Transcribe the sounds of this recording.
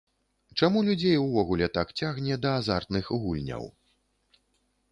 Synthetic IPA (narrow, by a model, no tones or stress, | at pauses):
t͡ʂamulʲud͡zʲejwvɔɣulʲɛt̪akt͡sʲaɣnʲɛd̪ɐːzart̪nɨxɣulʲnʲɐ̰w